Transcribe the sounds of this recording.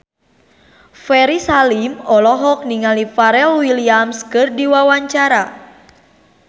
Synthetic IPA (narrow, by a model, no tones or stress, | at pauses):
fɛɾisalimɔlɔɦɔk̚niŋalifaɾɛlwiliamskɨrdiwawaɲt͡ʃaɾa